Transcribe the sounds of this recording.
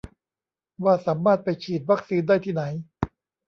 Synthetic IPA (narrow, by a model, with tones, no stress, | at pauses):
waː˥˩saː˩˦mːaː˥˩t̪̚pa˧jt͡ɕʰiː˨˩t̪̚wa˦˥k̚siː˧ndaː˥˩jt̪ʰiː˥˩na˩˦j